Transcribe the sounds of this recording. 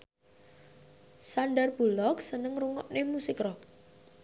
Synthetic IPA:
sanɖarbulɔk̚sənəŋruŋɔʔnemusɪkrɔk̚

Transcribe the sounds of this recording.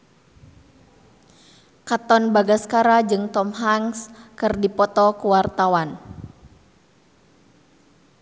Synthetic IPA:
kat̪ɔnbaɡaskaɾad͡ʒɨŋt̪ɔmɦaŋskɨrdipɔt̪ɔkuwart̪awan

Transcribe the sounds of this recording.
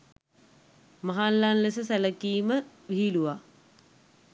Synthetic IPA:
maɦalːanlesəsæləkiːmə | ʋiɦiluʋa

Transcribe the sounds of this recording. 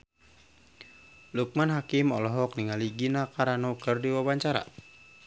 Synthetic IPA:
luk̚manɦakimɔlɔɦɔk̚niŋaliɡinakaɾanɔkɨrdiwabaɲt͡ʃaɾa̰

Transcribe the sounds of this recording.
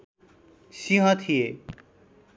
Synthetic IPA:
sĩɦʌ̃t̪ʰije

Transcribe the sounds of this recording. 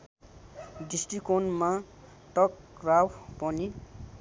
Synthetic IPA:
ɖisʈikonma | tʌk | rawpʌni

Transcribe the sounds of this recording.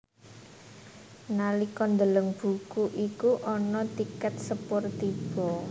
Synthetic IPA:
nalikɔnd̪ələŋb̥ṳkuʔikuʔɔnɔt̪ikɛt̪̚səpʊrt̪ib̥ɔ

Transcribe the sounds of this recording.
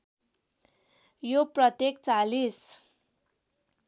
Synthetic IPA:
joprʌt̪jekt͡salis

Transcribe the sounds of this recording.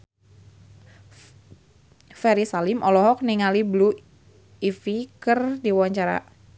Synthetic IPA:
fɛɾisalɪmʔɔlɔɦɔk̚niŋaliblu | ifikɨrdiwaɲt͡ʃaɾa̰

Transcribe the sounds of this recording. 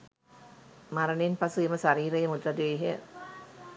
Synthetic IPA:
maɾɐnenpɐsueməsaɾiːɾɐjemud̪ɾɐd̪ʋeːɦ

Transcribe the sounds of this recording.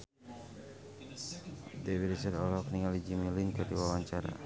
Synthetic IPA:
dewiisɛrɔlɔkniŋalid͡ʒimilinkədiwawaɲt͡ʃaɾa̰

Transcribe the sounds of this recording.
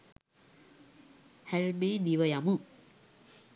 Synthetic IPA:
hælmeːd̪iʋəjamu

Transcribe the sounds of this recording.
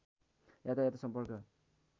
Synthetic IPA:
jat̪ajat̪ʌ̥sʌmpʌrkʌ

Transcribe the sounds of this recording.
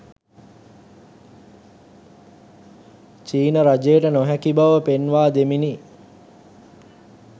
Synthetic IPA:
t͡ʃiːnəɾad͡ʒejəʈənoɦækibaʋəpenʋaːd̪emini

